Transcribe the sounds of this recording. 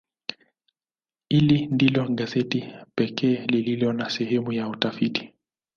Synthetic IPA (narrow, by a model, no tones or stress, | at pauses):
hilindilɔɠazɛtipɛkɛːlililɔnasɛhɛmujautafiti̥